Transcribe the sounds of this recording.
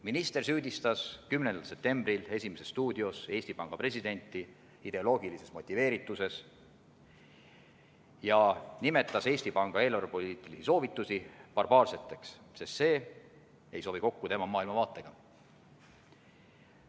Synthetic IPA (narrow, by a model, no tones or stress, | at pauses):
minist̪e̞rsyːd̪̥ist̪ɑskymnend̪̥ɑlse̞p̚t̪e̞mbrile̞sʲimese̞sːt̪uːd̪̥io̞se̞ːsʲt̪ipɑŋɡ̥ɑpre̞sid̪̥e̞nʲt̪ːˑi | id̪̥e̞o̞lo̞ːɡilise̞smo̞t̪ʲːˑive̞ːɾit̪ːˑuse̞s | jɑnime̞t̪ːˑɑse̞ːsʲt̪ipɑŋɡ̥ɑe̞ːlɑɾupo̞liːt̪ːˑilisiso̞ːvit̪ːˑusipɑrbɑːrse̞t̪ːˑe̞ks | sest̪se̞ː | e̞jso̞ːviko̞kːut̪e̞mɑmɑːilmɑvɑːt̪ːˑeɡ̥ɑ